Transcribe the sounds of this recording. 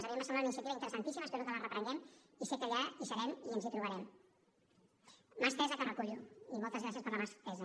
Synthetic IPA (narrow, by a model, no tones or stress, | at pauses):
nzaɾiemasananinsiət̪iβint̪əɾəsant̪isiməspezok̪əβərəpɾəŋɡɛm | iset̪aʎaisaɾɛmiənzit̪ɾuβaɾɛm | maspɛzəkərəkuʎuimolˠt̪əzɣɾasjeəspəɾləmasp̪ɛza